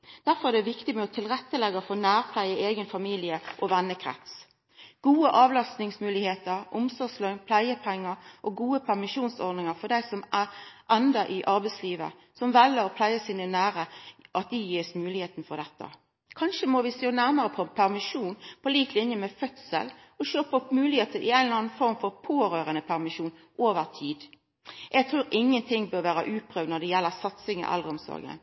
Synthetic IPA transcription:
d̪̥æɾfɔɾæd̪ɛʋɪkt̪ɪmɛɔt̪ʰɪlʁɛt̪ːəlɛɡəfoːnæːʁpʰlæɪəʔeːɡənfɑmiːlɪəʔɔʋɛnːəkʰɾɛ̰t̪s | ɡ̥uːəʔɑːʋlɑst̪nɪŋsmʉːlɪheːt̪əɾʔʊmsɔslœnpʰlæɪəpʰɛŋːəɾʔɔɡuːəpʰæʁmɪʂuːnsɔɾd̪nɪŋəʁfɔd̪æɪsɔmʔæʁʔɛnd̪əʔɪʔɑɾbɛɪsliːʋə̰ | sɔmʋɛlːəɾɔpʰlæɪəsiːnənæːɾəʔɑt̪̚d̪ɛjiːsmʉːlɪheːt̪n̩fɔd̪ɛt̪ːə̰ | kʰɑnʃəmɔʋɪseːnæɾməɾəpʰɔpʰæʁmɪʂuːnpʰɔliːk̚t̪lɪnjəmɛfœt̪sə̰l | ɔʃøːpəɔpmʉːlɪheːt̪əʔɪæɪnlɑnfɔɾmfɔɾpʰoːɾøːɾənəpʰæʁmɪʂuːn | ʔoːʋəɾt̪ʰiːd̪ | ʔɛɡt̪ʰɾʉːɾɪŋːənt̪ʰɪŋːbøːɾʋæːɾə̰ʔʉːpʰɾøːʋd̪nɔd̪ɛjɛlːəɾsɑt̪sɪŋə̰ʔɛ̰lʁəɔmsɔ̰ɾɡə̰n

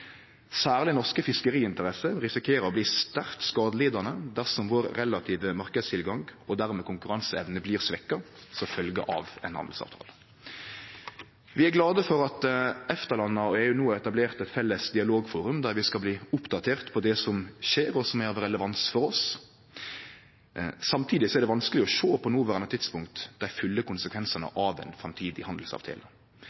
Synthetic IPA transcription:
sæːʁlɪnɔʁskəfɪskəʁiːɪnt̪əʁɛsəʁɪsɪkʰeːɾəɾɔbliːst̪æʁt̪skɑːd̪əliːd̪ɑnəd̪æʁsɔmʋoːɾɾɛlɑt̪ʰiːʋəmɑʁkəd̪st̪ʰɪlɡɑŋɡɔd̪æɾmɛkʊŋkʉʁɑnsəɛʋnəbliːʁsʋɛkːɑ | sɔfœlɡə̰ʔɑ̰ʋɛ̰nhɑ̰nd̪l̩sɑ̰ʋt̪ʰɑ̰ːlə | ʋɪæɡlɑːd̪əfɔɾɑt̪ɛft̪əɾlɑnːɑɔɛjʉnuːɛt̪ɑbleːʁt̪ɛt̪fɛlːəsd̪ɪɑloːɡfuːɾʉmd̪æɾʋɪskɑlbliːʊpd̪ɑt̪ʰeːʁt̪pʰɔd̪ɛsɔmʃeːɾɔsɔmæɾɾɛləʋɑnsfɔɾɔs | sɑmt̪ʰiːd̪ɪsɔɛɾd̪ɛʋɑnskəlɪɔʃoːpʰɔnuːʋæʁɑnːət̪ʰɪt̪spʊŋkt̪d̪æɪfʉlːəkʊnsəkʰʋɛnsənə̰ʔɑʋɛ̰nfɾɑmt̪ʰiːd̪ɪhɑnd̪l̩sɑ̰ːʋt̪ʰḛːlə

